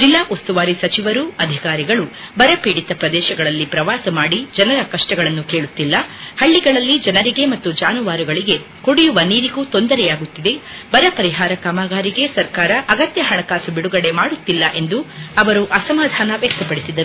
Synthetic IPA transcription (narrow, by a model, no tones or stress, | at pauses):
d͡ʒilːaːʔost̪uʋaːɾisɐt͡ʃiʋɐɾuɐd̪ʱikaːɾiɡɐɭubɐɾɐpiːɽit̪ɐpɾɐd̪ɛːʃɐɡɐɭɐlːipɾɐʋaːsɐmaːɽid͡ʒɐnɐɾɐkɐʂʈɐɡɐɭɐnːukeːɭut̪ːilːɐhɐɭːiɡɐɭɐlːid͡ʒɐnɐɾiɡe̞mɐt̪ːud͡ʒaːnuʋaːɾuɡɐɭiɡe̞ | koɽijuʋɐniːɾiɡut̪o̞nd̪ɐɾɛjaːɡut̪ːid̪e̞bɐɾɐpɐɾiɦaːɾɐkaːmaːɡaːɾiɡe̞sɐɾkaːɾɐʔɐɡɐt̪jɐɦɐɳɐkaːsubiɽuɡɐɽe̞maːɽut̪ːilːɐʔe̞nd̪uɐʋɐɾuʔɐsɐmaːd̪ʱaːnɐʋjɛk̚t̪ɐpɐɽisid̪ɐɾu